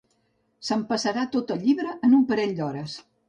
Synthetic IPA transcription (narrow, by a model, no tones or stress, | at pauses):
səmpəsəɾat̪ot̪əlʎːiβɾəʔənumpəɾɛʎd̪ɔɾəs